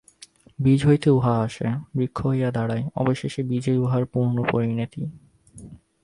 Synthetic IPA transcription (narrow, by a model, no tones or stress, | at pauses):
bid͡ʑʱɦojt̪euɦaaʃebɾikʰːoojad̪aɽaeɔ̰boʃeʃebid͡ʑejuɦaɾpuɾnopoɾinit̪i